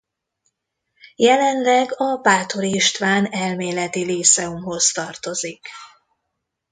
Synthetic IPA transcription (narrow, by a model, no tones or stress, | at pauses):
jɛlɛnlɛɡɒbaːt̪oɾiiʃt̪ʋaːnɛlmeːlɛt̪ilisɛumɦo̞st̪ɒrt̪o̞zik